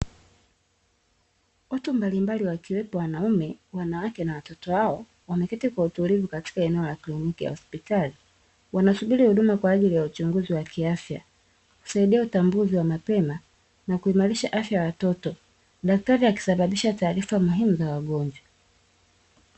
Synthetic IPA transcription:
ɔtumbalimbaliwakiwɛpɔwanaumɛwanawakɛnawatɔtɔhaɔ | wamɛkɛtikwautulivukati̥kaɛnɛɔlaklinikija̰hɔspitali | wanasuɓiɾihuɗumakwaːʄilijaut͡ʃuŋɡuziwakʰiafja̰ | ku̥saiɗiautambuziwamapɛma | nakuimaɾiʃaʔafjajawatɔtɔ | ɗak̚taɾiaki̥saɓaɓiʃataːɾifamuɦimuzawaɡɔɲd͡ʒwa

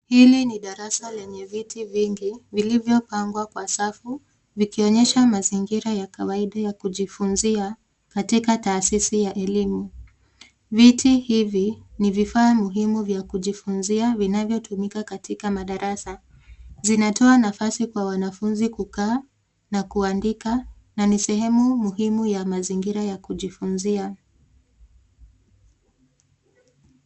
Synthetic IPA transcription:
hiliniɗaɾasalɛɲɛvitʰiviŋɡivilivjɔpaŋɡwakwasafu | vikiɔɲɛʃamaziŋɡiɾajakawaiɗajakuʄifunzia | katikataːsisijaʔɛlimu | vitʰihivinivifaːmuɦimuvjakuʄifunziavinavjɔtʰumikakatikamaɗaɾasa | zinatʰɔanafasikwawanafunzikukaː | nakuandika | nanisɛhɛmumuɦimujamaziŋɡiɾajakuʄifunzia

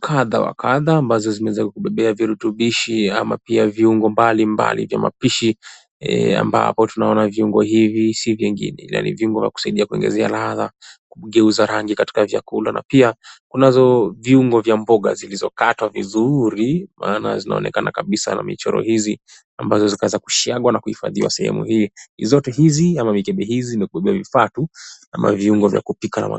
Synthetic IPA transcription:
kʰaðawa̰kaðaːmbazɔzimɛɛzaikukuɓɛɓɛaviɾutuɓiʃiamapiaviuŋɡɔmbalimba̰lḭvja̰ma̰piʃi | a̰mba̰pɔtunaɔnaviuŋɡɔhivisivjɛŋɡḭnɛla̰nḭviuŋɡɔvjaku̥saiɗiakuiŋɡɛ̰zɛalaðakuɠɛuzaɾaŋɡikati̥kavja̰kulana̰piakunazɔviuŋɡɔvjambɔɠa̰zilizɔkatwavizuɾimʔaːna̰zina̰ɔnɛkanakaɓisa̰na̰mit͡ʃɔɾɔ̰hizi | ambazɔzikaɛzaku̥ʃiaɡwanakuhifa̰ðiwa̰sɛhɛ̰mṵhiizɔtɛɦiziamamikɛɓɛɦizimɛkuɓɛɓɛwavifatuamʔa̰viuŋɡɔvja̰kupikana̰ma̰

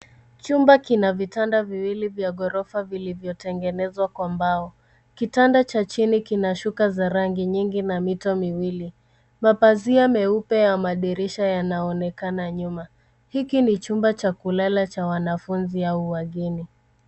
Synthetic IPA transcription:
t͡ʃumbakinavitandaviwilivjaɠɔɾɔfavilivjɔtɛŋɡɛnɛzwakwambaɔ | kitandat͡ʃat͡ʃinikinaʃukazaɾaŋɡiɲiŋɡinamitɔmiwili | mapaziamɛupɛjamaɗiɾiʃajanaɔnɛkanaɲuma | hikinit͡ʃumbat͡ʃakulalat͡ʃawanafunziauwaɠini

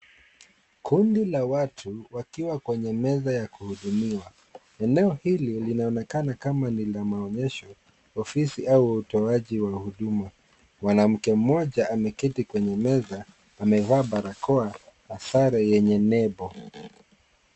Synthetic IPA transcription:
kʰundilawatʰuwakiwakwɛɲɛmɛzajakuhuɗumiwa | ɛnɛɔhililinaɔnɛkanakamanilamaɔɲɛʃɔ | ɔfisiʔauutɔaʄiwahuɗuma | mwanam̩kɛm̩mɔʄaamɛkitikwɛɲɛmɛzaː | mɛvaːɓaɾakʰɔahasaɾɛjɛɲɛnɛɓɔ

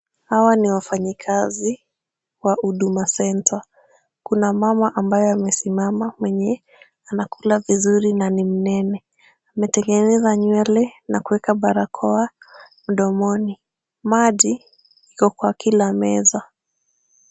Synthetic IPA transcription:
hawaniwafaɲikʰazi | wauɗumasɛntʰa | kunamamaʔambajɔamɛsimamamwɛɲɛ | anakulavizuɾinanim̩nɛnɛ | amɛtɛŋɡɛnɛzaɲwɛlɛnakuwɛkaɓaɾakʰɔa | m̩ɗɔmɔni | maʄi | ikɔkwakilamɛza

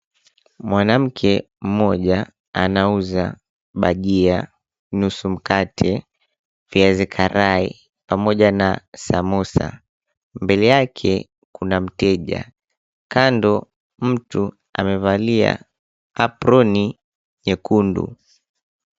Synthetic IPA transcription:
mwanam̩kʰɛ | m̩mɔʄa | anauza | ɓaʄia | nusum̩katʰɛ | viazikʰaɾaḭ | pamɔʄanasamɔsa̰ | mbɛlɛjakʰɛ | kunam̩tɛʄa̰ | kandɔ | m̩tu | a̰mɛvalia̰ | apɾɔni | ɲɛkundṵ

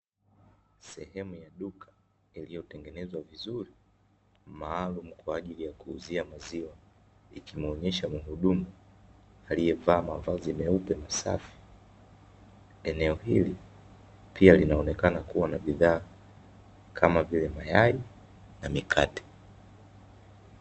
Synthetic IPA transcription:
sɛhɛmujaɗukʰḁ | ilijɔtɛŋɡɛnɛzwavizuɾi | maːlum̩kwaːʄilijakuːziamaziwa | ikʰimɔɲɛʃamuɦuɗumu | alijɛvaːmavazimɛupɛmasa̰fi̥ | ɛnɛɔɦili | pʰialinaɔnɛkanakuwanaɓiðaː | kʰamavilɛmajai | namikʰatɛ̥

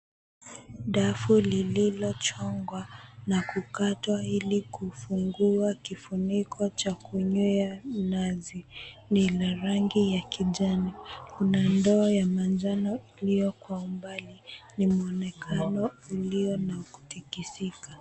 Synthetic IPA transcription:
ɗafulililɔt͡ʃɔŋɡwanakukatwailikufuŋɡuakifunikʰɔt͡ʃakuɲuanazinilaɾaŋɡijakiʄanikunandɔːjamand͡ʒanɔilijɔkwaumbalinimuɔnɛkʰanɔuliɔnaku̥tikisika

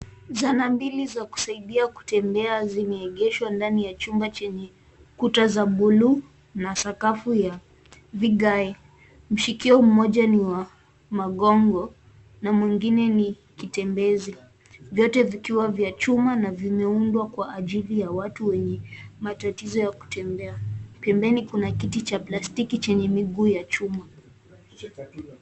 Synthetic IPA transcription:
zanambilizaku̥saiɗiaku̥tɛmbɛazimɛɛɠɛʃwandanijat͡ʃumbat͡ʃɛɲɛ | kutazaɓulu | nasakafuja | viɠaɛ | m̩ʃikiɔm̩mɔʄaniwa | maɠɔŋɡɔ | namwiŋɡinɛni | kitɛmbɛzi | vjɔtɛvikiwavjat͡ʃumanavimɛundwakwaʔːʄilijawatuwɛɲɛmatatizɔjaku̥tɛmbɛapɛmbɛnikunakitit͡ʃaplastikit͡ʃɛɲɛmiɡuːjat͡ʃuma

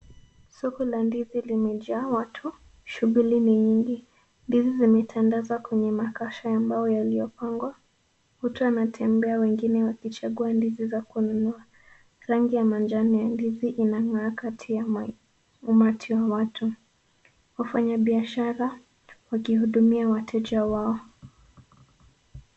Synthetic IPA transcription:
sɔkɔlandizilimɛʄaːwatʰu | ʃuɣuliniɲiŋɡi | ndizizimɛtʰandazwakwɛɲɛmakaʃaambajɔjalijɔpaŋɡwa | hutuanatʰɛmbɛawɛŋɡinɛwakit͡ʃaɠuandizizakununua | ɾaŋɡijamand͡ʒanijandiziʔinaŋaːkatʰija | umatʰiwawatʰu | wafaɲaɓiaʃaɾa | wakihuɗumiawatʰɛd͡ʒawaɔ

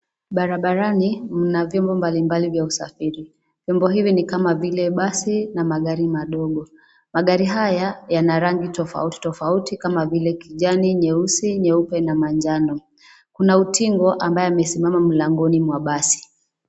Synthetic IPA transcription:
ɓaɾaɓaɾanim̩navjɔmbɔmbalimbalivjausa̰fiɾi | vjɔmbɔɦivinikamavilɛɓasinamaɠaɾimaɗɔɠɔ | maɠaɾiɦajajanaɾaŋɡitɔfa̰uti̥tɔfautikamavilɛkiʄaniɲɛusiɲɛupɛnamaɲd͡ʒanɔ | kunautʰiŋɡɔʔambajɔamɛsimamam̩laŋɡɔnimwaɓasi̥

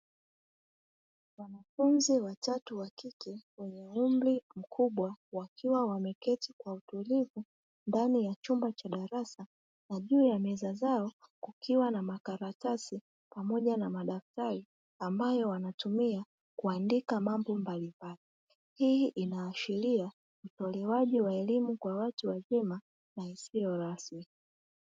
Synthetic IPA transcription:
wanafunziwatatuwakikɛwɛɲɛumblim̩kʰuɓwawakʰiwawamɛkɛtikwautulivu | ndanijat͡ʃumbat͡ʃaɗaɾasa | naʄuːjamɛzazaɔkukiwanamakaɾatasi | pamɔʄanamaɗaftaɾi | ambajɔwanatumia | kuandikamambɔmbalimbali | hiiʔinaːʃiɾia | utɔlɛwaʄiwaɛlimukwawatuwazɛma | naisijɔɾasmi

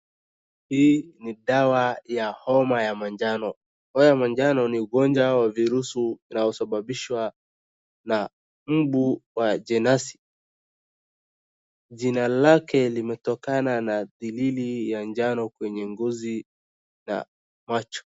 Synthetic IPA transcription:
hiːniɗawajahɔmajamaɲd͡ʒanɔ | hɔjamaɲd͡ʒanɔniuɡɔnd͡ʒwawaviɾusuinajɔsaɓaɓiʃwa | na | m̩ɓuwad͡ʒɛnasi̥ | ʄinalakɛlimɛtɔkananaðililijaɲd͡ʒanɔkwɛɲɛŋɡɔzi | na̰ | mat͡ʃɔ̥

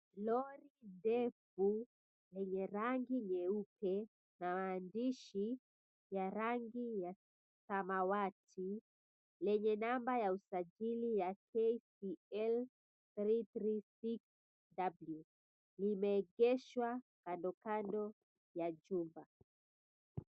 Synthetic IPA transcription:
lɔɾindɛfu | lɛɲɛɾaŋɡiɲɛupʰɛ | nawaːndiʃi | jaɾaŋɡija | kamawatʰi | lɛɲɛnambajausaʄilijakʰɛsiɛl | θɾiθɾisiks | dablu | limɛːɡɛʃwakandɔkandɔ | jad͡ʒumba

